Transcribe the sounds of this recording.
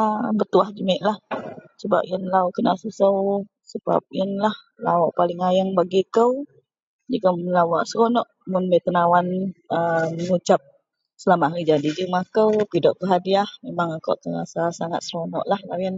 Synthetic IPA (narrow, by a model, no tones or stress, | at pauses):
bət̪uahd͡ʒəmɪʔlahsəba̰p̚iənlaoʔkəna̰ʔsusəw | səba̰p̚iənlah | lawɔʔpalɪŋajaŋbaɡikəw | d͡ʒəɡamlawaʔsəɾonɔʔmʊnbəjt̪ənawanəəŋut͡ʃap̚ | səlamaʔɾid͡ʒadid͡ʒəmakəwpidɔʔkəɦadiahmemaŋako̰wʔt̪əŋa̰sasaŋa̰t̪̚səɾonɔ̰ʔlahlawjən